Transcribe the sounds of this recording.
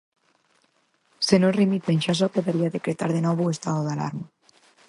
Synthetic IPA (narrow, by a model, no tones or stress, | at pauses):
senorimit̪enʃasopoðeɾiaðekɾet̪aɾðenɔβuest̪aðoðala̰ɾma